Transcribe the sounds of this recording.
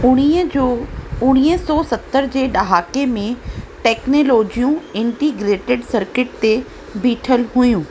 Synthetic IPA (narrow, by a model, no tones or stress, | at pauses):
ʊɽ̃iəd͡ʑoʊɽ̃iːəsɔːsɐt̪ːəɾd͡ʑeːɗɐɦaːkemẽʈɛːknoːloːd͡ʑijũɪ̃ɳʈiɡɾeːʈɪɖsɐɾkɪʈ̚t̪e | biːʈʰəlɦʊjũː